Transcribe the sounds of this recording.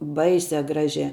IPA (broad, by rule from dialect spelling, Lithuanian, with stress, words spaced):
ˈbɐɪsʲɛ ˈɡrɑːʒʲɛ